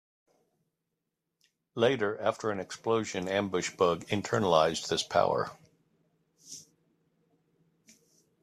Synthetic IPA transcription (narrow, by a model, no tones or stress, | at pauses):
leɪɾə˞ʔæftʰə˞ɨ̃nɨksploʊʒɨ̃næ̃mbʊʃb̥ʌɡɨ̃ntʰɜ˞nəlaɪzðɪspʰa̰ʊə̰˞